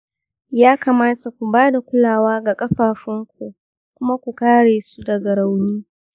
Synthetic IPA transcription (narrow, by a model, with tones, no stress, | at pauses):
jaː˦kaː˨maː˦ta˨kʷu˨baː˦da˨kʷʊ˦laː˨waː˦ɡa˨kʼɐ˦ɸaː˨ɸɪ˦ŋkʷu˨ | kʷʊ˦ma˦kʷu˨kaː˦ɽeː˨su˦dɐ˨ɡɐ˨ɽa˨wniː˦